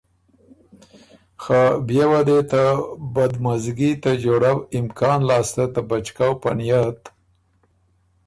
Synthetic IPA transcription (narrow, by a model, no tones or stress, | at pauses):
xabjewad̪et̪abad̪mazɡit̪ad͡ʒoɽawɪmkʰɑnlɑst̪at̪abat͡ʃkawpanjat̪